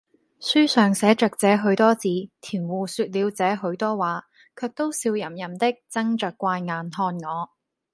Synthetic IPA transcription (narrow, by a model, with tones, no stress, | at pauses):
syː˥sœː˨ŋsɛː˨˥t͡ʃœː˨k̚t͡sɛː˨˧˥ɦɵ˨˥ɥt̪ɔː˥t͡siː˨˥t̪ʰiː˨˩nwuː˨syː˧t̚liː˨˧wt͡sɛː˨˥ɦɵ˨˥ɥt̪ɔː˥waː˨˥ | kʰœː˧k̚t̪o˥wsiː˧wjɐ˨˩mjɐ˨˩mt̪ɪ˥k̚t͡sɐ˥ŋt͡ʃœː˨kːʷaː˧jŋaː˨nhɔː˧nŋɔː˨˧